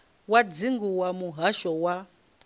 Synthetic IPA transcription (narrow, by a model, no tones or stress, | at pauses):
wad͡ziŋɡuwamuɦaʃɔwa